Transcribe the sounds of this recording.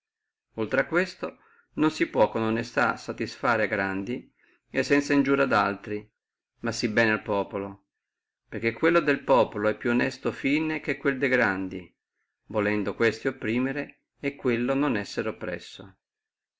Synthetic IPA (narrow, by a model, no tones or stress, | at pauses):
olt̪ɾeakːwest̪o | nonsipwɔkːononest̪a̰sːat̪isfaːɾeaɡɾand̪i | esːɛnt̪saind͡ʒuːɾad̪alt̪ɾi | masːibɛːnealpɔːpolo | perk̟ːekːwelːod̪elpɔːpoloɛpːjuonɛst̪ofiːnek̟ekːweld̪eɡɾand̪i | volɛnd̪okwest̪iopːɾiːmeɾe | ekːwelːononɛsːeɾeopːɾɛ̰sːo